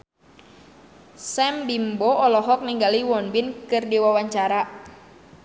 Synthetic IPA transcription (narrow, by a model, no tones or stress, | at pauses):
sɛmbimbɔɔlɔɦɔk̚niŋɡaliwɔnbinkɨrdiwawaɲt͡ʃaɾa